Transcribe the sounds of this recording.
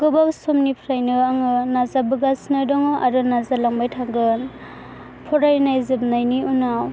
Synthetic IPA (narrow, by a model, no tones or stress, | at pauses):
ɡ̥ɯbawsɔmnipʰɾajnɯaŋɯnazabɯɡasnɯdɔŋɯʔaɾɯnazalaŋbajtʰaɡɯn | pʰɔɾajnajzɯb̚najniunaw